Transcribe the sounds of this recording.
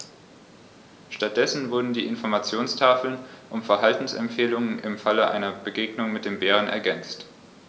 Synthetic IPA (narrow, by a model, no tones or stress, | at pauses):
ʃtat̚d̥ɛsn̩vʊɐdn̩diːʔɪnfɔɐmat͡sjoːnstʰaːfl̩nʔʊmfɛɐɦaltn̩sɛ̰mpfeːlʊŋənʔɪmfaləʔaɪnɐbəɡeːɡnʊŋmɪt̚d̥eːmbeːʁ̞ənɛ̰ɐɡɛnt͡st